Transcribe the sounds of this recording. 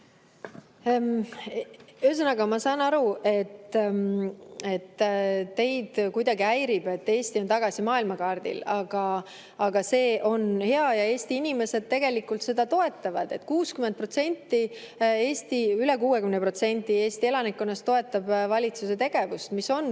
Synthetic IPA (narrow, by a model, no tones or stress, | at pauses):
yes̬ɑnɑɡɑmɑsɑːnɑɾuʔe̞t̪ː | e̞t̪ːe̞jd̪̥kujd̪ɑɡiæjɾib̥e̞t̪ːe̞ːsʲt̪io̞nt̪ɑɡ̥ɑsimɑːilmɑkɑːrd̪̥ḭlɑɡ̥ɑ | ɑɡ̥ɑse̞ːʔo̞nhe̞ɑjɑe̞ːsʲt̪iinime̞se̞d̪̥̚t̪e̞ɡ̥e̞likːˑult̪se̞d̪̥ɑt̪o̞e̞t̪ːˑɑvɑd̪̥e̞t̪ːkuːskymend̪̚pro̞t̪se̞nʲt̪ːi | e̞ːst̪iylekuːekymnepro̞t̪se̞nʲt̪ːˑie̞ːst̪ie̞lɑnikːˑo̞nːɑst̪ːo̞e̞t̪ːˑɑb̥vɑlʲit̪suse̞t̪e̞ɡ̥e̞vust̪miso̞n